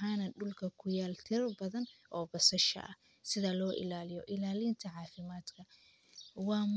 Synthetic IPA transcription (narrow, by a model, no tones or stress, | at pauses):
ɦaːnɐɖʊlkʰɐkʰʊjaːlt̪ʰɪrbɐðɐnʔɔːbɐsɐʃɐ̰ʔɐ̰ | sɪðɐlɔːʔɪ̰laːlɪjɔʔɪlaːlint̪ʰɐʕɑːfɪmaːd̪kʰɐ | wɑːm